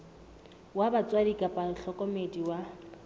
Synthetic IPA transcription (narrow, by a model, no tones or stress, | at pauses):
wabat͡sʼwadikʼapʼaŋ̩ɬʰɔkʼɔmediwa